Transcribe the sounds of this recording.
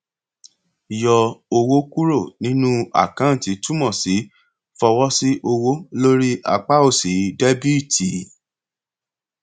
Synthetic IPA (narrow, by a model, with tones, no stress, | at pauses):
jɔ˧o˧wo˦ku˦ɾo˦˨nĩ˨˦nũ˦a̰˦˨kã˨˦˨ti˨˦tu˦mɔ̃˦˨si˨˦ | fɔ˧wɔ˦si˦ʔo˧wo˦lo˦ɾi˦ʔa̰˧k͡pa˦o˦˨si˨˦de˦bi˦˨tʰi˨